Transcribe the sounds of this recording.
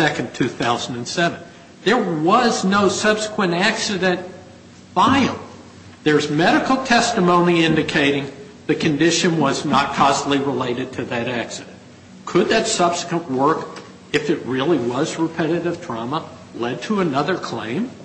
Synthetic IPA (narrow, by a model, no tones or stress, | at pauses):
ɛkɨ̃n̩tʰʉθaʊzn̩dɨ̃n̩sɛṽn̩ | ðə˞wʌznoʊsʌb̥sə̥kʰwə̃ntæksɨɾɨ̃nt | v̥aɪl̩ˠ | ðə˞zmɛɾɨkl̩ˠtʰɛstɨmõʊ̃niɪ̃ndɨkʰeɪɾɪ̃ŋ | ðɨkʰɨ̃ndɪʃɨ̃nwʌznət̚kʰɔstˡliɹəleɪɾɨd̚tʰɨðɨɾæksɨɾɨ̃n | kʰɨd̪̚ðɨtsʌb̥sə̥kwə̃nʔwɜ˞k | ɨfɨt̚ɹɪlˠiwʌzɹɨpʰɛɾɨɾɨv̥dɹ̥ɑmə | lɛd̚tʰəənʌðə˞kʰl̥ḛ̃ɪ̃m